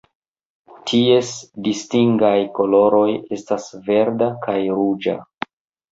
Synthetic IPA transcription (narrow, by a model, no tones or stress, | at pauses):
tʰie̞sdistiŋɡajko̞lo̞ɾo̞je̞stasve̞ɾdakʰajɾud͡ʒa̰